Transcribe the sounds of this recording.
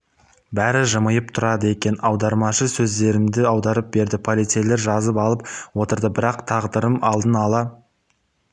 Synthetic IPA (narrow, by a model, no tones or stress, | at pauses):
bæɾɪʒəməjəp̚t̪ʰʊɾɑd̪əe̞kʲe̞nɑwd̪ɑɾmɑʃəsɵzd̪e̞ɾɪmd̪ɪɑwd̪ɑɾəp̚be̞ɾd̪ɪpʰolʲit̪sele̞ɾʒɑzəpɑlˠəp̚wo̞t̪əɾd̪əbɪɾɑqt̪ʰɑʁd̪əɾəmɑlˠd̪ənɑlˠɑ